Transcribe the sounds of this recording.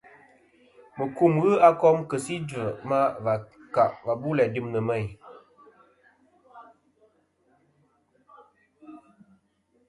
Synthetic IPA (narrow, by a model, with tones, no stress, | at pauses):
mə˨ku˦˨mɣə˦a˦kɔ˦mkə˨si˦də˨ma˦va˨ka˨ʔva˨bu˦lɛ˨di˦˨mnə˨mə˦˨j